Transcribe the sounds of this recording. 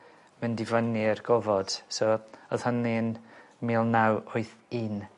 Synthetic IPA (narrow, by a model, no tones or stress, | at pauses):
məndɪvənirɡɔvɔd̥soɔð̥hənlin | miːlˠnawʊɨθin